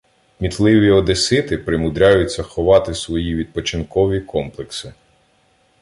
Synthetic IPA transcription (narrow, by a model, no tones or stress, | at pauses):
mʲit̪lˠɪʋʲiɔd̪esɪt̪ɪpɾɪmʊd̪ɾʲajʊtʲt͡sʲːɐxɔʋɑt̪ɪsʋɔjiʋʲid̪̚pɔt͡ʃɪnkɔʋʲikɔmplˠeksɪ